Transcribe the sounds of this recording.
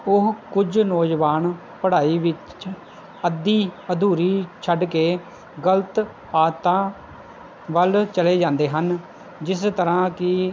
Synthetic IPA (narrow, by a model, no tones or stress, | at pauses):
ʊɦkʊd͡ʒnɔːd͡ʒʋaːn | pəɽaːiːʋɪt͡ʃ | əd̪iːəd̪uːɾiːt͡ʃʰəɖkeː | ɡələt̪ | aːt̪ãː | ʋəlt͡ʃəleːd͡ʒãːnd̪eːɦən | d͡ʒɪst̪əɾãːkɪ